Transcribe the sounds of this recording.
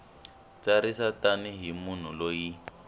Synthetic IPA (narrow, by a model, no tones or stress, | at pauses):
t͡saɾisataniɦimun̤uloji